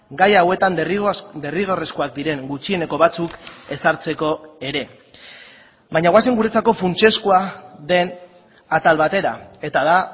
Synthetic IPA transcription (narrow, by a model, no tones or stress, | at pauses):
ɡajawe̞t̪and̪e̞riɣ̞o̞re̞skoak̚d̪iɾe̞ŋɡut͡ʃie̞ne̞ko̞βat͡suke̞saɾt͡se̞ko̞e̞ɾe̞ | bajɲaɣwas̬eŋɡuɾe̞t͡sako̞funt͡ʃe̞skuaðe̞n | at̪alβat̪e̞ɾae̞t̪aða